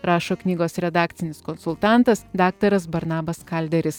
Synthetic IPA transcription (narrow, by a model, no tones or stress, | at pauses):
ɾɑːʃoːknʲiːɡoːsɾʲɛd̪ɑːkt̪ʲɪnʲɪskɔnsʊlˠt̪ɑˑnt̪ɐsd̪ɑːk̚t̪ɐɾɐs̬bɐɾnɑːbɐskɐlʲd̪ʲɛɾʲɪs